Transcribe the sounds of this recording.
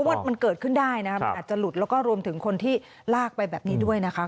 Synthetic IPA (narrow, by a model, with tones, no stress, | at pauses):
ɔ˦˥wa˥˩ma˧nkɤː˨˩t̪̚kʰɯ˥˩ndaː˥˩jna˦˥kʰaː˨˩t͡ɕa˨˩lu˨˩t̪̚lɛ˦˥wkɔː˥˩ɾu˧əmt̪ʰɯ˩˦ŋkʰo˧nt̪ʰiː˥˩ | laː˥˩k̚pa˧jbɛː˨˩p̚niː˦˥du˥˩əjna˦˥kʰa˦˥